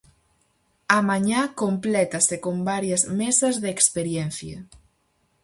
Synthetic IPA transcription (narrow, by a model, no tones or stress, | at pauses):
ɐmaɲakomplɛt̪ɐsekombaɾjɐzmesɐzðeːkspeɾjɛn̟θjɐ̰